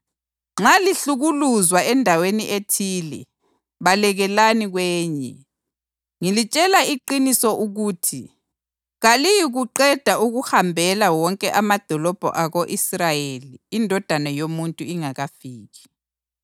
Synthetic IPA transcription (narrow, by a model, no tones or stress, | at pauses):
ŋ͡ǁaliɬuɣuluzwaɛndʱaweniʔetʰiːlɛ̰ | βalɛɣɛlaniɣwɛːɲɛ̰ | ŋilit͡ʃʼɛlaiǃinisɔʔuɣuːtʰi | ɣalijiɣuǃɛd̥ʱauɣuhambʱɛlawɔŋkʼɛʔamad̥ʱɔlɔb̥ʱɔ̰ʔaɣoʔisrajeliːndʱɔd̥ʱanajomuntʼuiŋaɣafiːɣi̥